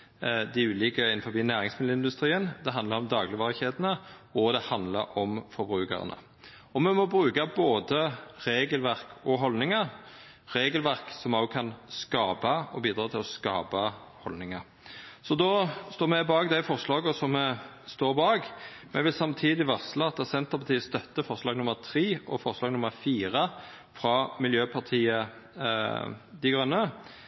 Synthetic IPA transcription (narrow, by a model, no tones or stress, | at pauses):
d̪ɪʉːlɪːkəɪnfɔbiːnæːʁɪŋsmɪd̪l̩ɪnd̪ʉst̪ɾʁiːənd̪ɛɦɑnd̪lɑɾɔmd̪ɑːɡlɪʋɑːʁɪçeːd̪ənəɔd̪ɛhɑnd̪lə̰ɾɔmfɔɾbʁʉːkə̰ʁə̰nə̰ | ɔmɛmɔbɾʉːkɑboːd̪əʁeːɡəlʋæʁkɔɦɔlnɪŋɑɾ | ʁeːɡəlʋæʁksɔmɑʊkʰɑnskɑːbɑɔbiːd̪ɾɑːt̪ʰɪlɔskɑːpɑhɔlnɪŋɑ | sɔd̪ɔst̪oːmɛɪbɑːɡd̪æɪfɔʁslɑːɡɔsɔmːɛ | st̪oːʁbɑːɡmʔɛʋɪlsɑmt̪ʰiːd̪ɪʋɑʁslɑɑt̪ːɑsɛnt̪əʁpʰɑt̪iːəst̪œt̪ːəfɔʁslɑːɡnʊmːəʁt̪ʰʁiːʔɔfɔʁslɑːɡnʊməɾfiːʁə | fɾɑmɪljøːpʰɑʁt̪ʰiːə | d̪æɡʁœnːə